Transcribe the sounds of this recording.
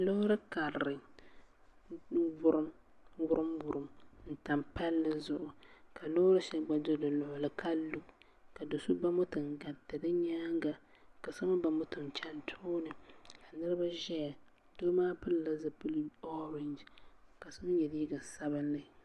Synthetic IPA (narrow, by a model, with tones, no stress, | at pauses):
lo˦ʊ˦ɾɨ˦ka˨ɾɾɨ˨˦ | vʊ˦ɾɨ˦m | wʊ˦ɾɨ˦mbʊ˨ɾɨ˨mn̩˨ta˨mpa˦lːɨ˦zʊ˨ʔʊ˨ka˨lo˦ʊ˦ɾɨ˦ʃɛ˦ɡ͡ba˨do˦dɨ˨lʊ˨ʊ˨lɨ˨kʰa˦lu˦ʔ | ka˨do˨su˦ba˦mʊ˦tɨ˨ŋɡa˨tɨ˨dɨ˦ɲaː˦ŋɡa˨ | ka˨sa˦ma˦ba˨mʊ˦tɨ˨nt͡ʃa˦ntʰoː˦nɨ˨ka˨nɨ˦ɾɨ˦ba˦ʒɛ˦ja˨ | d̥oː˦maː˦pɨ˦lla˦za˨pu˦lɔ˦ɾɪ˨nd͡ʒka˨sa˦m˦ɲɛ˨di˦i˦ɡa˨sa˦bɨ˦nːɨ˨